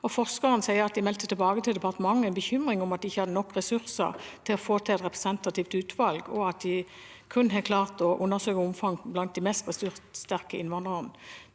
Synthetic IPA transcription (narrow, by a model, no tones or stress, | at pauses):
ɔfɔʁskəʁənəsæɪəʁɑt̪̚d̪ɪmɛlt̪ət̪ʰɪlbɑːɡət̪ʰɪld̪ɛpɑʁt̪əmɑŋːɛnbəçʏmʁɪŋʊmɑt̪̚d̪ɪɪçːəhɑd̪ənɔkːʁɛsʉʁsə̰ʁt̪ʰɪlɔfoːt̪ʰɑɛt̪ʁɛpʁɛsɛnt̪ɑt̪iːft̪ʉːt̪ʰʋɑlɡɔɑt̪̚d̪ɪ | kʰʉnːɦeːt̪kʰlɑːʁt̪ɔʔʊnːəsøːkəʊmfɑŋblɑnt̪̚d̪ɪmɛst̪̚bəst̪yʁt̪st̪æʁkəɪnʋɑnd̪ʁən